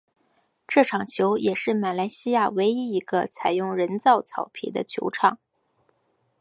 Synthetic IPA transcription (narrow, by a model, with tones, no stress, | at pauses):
ʈ͡ʂɤ˥˩ʈ͡ʂʰɑ˨˩ŋt͡ɕʰjo˧˥ʊjɛ˨˩ʂɻ̩˥˩ma˨˩la˧˥ɪɕi˥ja˥˩we˧˥ɪi˧˥i˧˥ɡə̰˧t͡sʰa˨˩ɪjʊ˥˩ŋɻə˧˥nt͡sɑ˥˩ʊt͡sʰɑ̰˨˩ʊpʰḭ˨˩d̪ə̰˦t͡ɕʰjo̰˧˥ʊʈ͡ʂʰɑ˨˩˦ŋ